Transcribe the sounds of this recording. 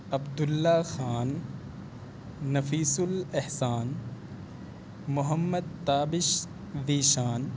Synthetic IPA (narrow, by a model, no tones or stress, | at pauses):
ɐbd̪ʊlːaxaːn | ɐfiːsʊlehsaːn | mʊɦɐmːəd̪̚t̪aːbɪʃ | d̪iːʃaːn